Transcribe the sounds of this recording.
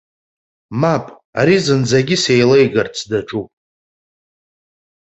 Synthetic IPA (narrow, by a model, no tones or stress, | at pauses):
mapʼ | aɾizɨnd͡zaɡʲɪse̞jlejɡart͡sʰdaʈ͡ʂʼupʼ